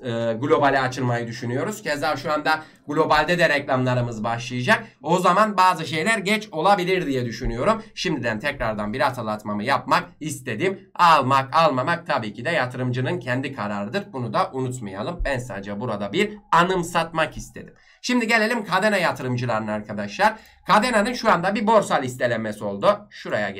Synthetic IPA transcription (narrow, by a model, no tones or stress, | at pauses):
ɯːɡlʲo̞balʲiat͡ʃʰɯlˠmajɯd̪yʃynyjo̞ɾuz̥cʰɛzaːʃuand̪a | ɡlʲo̞balʲd̪ɛd̪ɛɾɛclʲamlˠaɾɯmɯzbaʃlˠɯjɯd͡ʒak̚ | o̞zamanbaːzɯʃe̞jlʲæɾɟɛt͡ʃʰo̞lˠabilʲiɾd̪ijɛd̪yʃynyjo̞ɾumʃimd̪id̪ænt̪ʰɛcɾaɾd̪anbiɾat̪ʰalˠat̪mamɯjap̚mak̚ist̪ʰe̞d̪im | alˠmakalˠmamak̚t̪ʰabiːcʰid̪ɛjat̪ʰɯɾɯmd͡ʒɯnɯncʰɛnd̪ikʰaɾaɾɯd̪ɯɾbunud̪aʔunut̪maja̰lˠɯmbænsa̰ːd͡ʒabuɾad̪abiɾanɯmsat̪makist̪ʰe̞d̪i̥m | ʃimd̪iɟe̞lʲe̞lʲimkʰad̪enajat̪ʰɯɾɯmd͡ʒɯlˠaɾɯnɯnaɾkʰad̪aʃlˠaɾ | kʰad̪enanɯnʃuand̪abibo̞ɾsalʲist̪ʰe̞lʲemesio̞lˠd̪uʃuɾaja̰